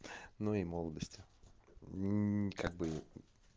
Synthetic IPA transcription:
nuimolˠəd̪əsʲtʲɪ | kaɡ̚bɨ

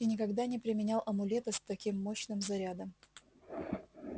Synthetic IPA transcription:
ɪnʲɪkɐɡd̪anʲɪpɾʲɪmʲɪnʲalˠʔɐmʊlʲet̪əst̪ɐkʲimːoɕnɨmzɐɾʲad̪əm

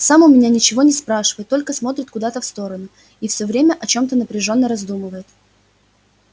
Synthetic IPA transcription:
samʊmʲɪnʲanʲɪt͡ɕɪvo̞nʲɪspɾaʂɨvəjɪt̪ːo̞lʲkəsmo̞t̪ɾʲɪt̪kʊd̪at̪əfst̪o̞ɾənʊ | ifsʲɵvɾʲemʲəʔɐt͡ɕo̞mt̪ənəpɾʲɪʐo̞nːəɾɐzd̪umɨvəjɪt̪

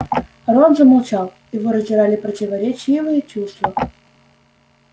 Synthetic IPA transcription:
ɾonzəmalˠt͡ɕalˠjɪvoɾəzʲzʲɪɾalʲɪpɾətʲɪvɐɾʲet͡ɕivɨjət͡ɕust̪və

